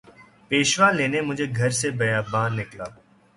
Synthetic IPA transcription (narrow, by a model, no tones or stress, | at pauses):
peːʃʋaleːnemʊd͡ʒʱeɡʱɐɾsebɐjaːbãːnːɪklaː